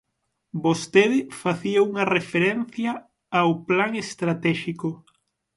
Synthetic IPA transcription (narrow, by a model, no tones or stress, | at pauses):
bost̪eðɪfaθiauŋɐrefeɾɛn̟θjɐ | awplaŋest̪ɾat̪ɛʃiko